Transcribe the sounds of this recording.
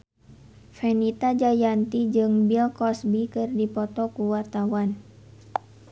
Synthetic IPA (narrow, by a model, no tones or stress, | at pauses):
fɛnit̪ad͡ʒajant̪id͡ʒɨŋbilkɔsbikɨrdipɔt̪ɔkuwart̪awan